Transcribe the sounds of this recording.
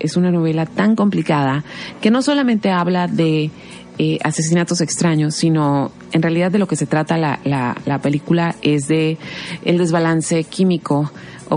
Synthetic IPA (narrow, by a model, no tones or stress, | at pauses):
ʔesunano̞β̞e̞lat̪aŋko̞mplikaðake̞no̞so̞lamẽnt̪e̞aβlaðe̞ | ea̰se̞s̬inat̪o̞sekst̪ɾaɲo̞sːino̞ | enrealið̞aððelo̞ke̞se̞t̪ɾat̪alala̰lape̞likulae̞zðe̞ːld̪e̞zβalanse̞kimiko̞ | o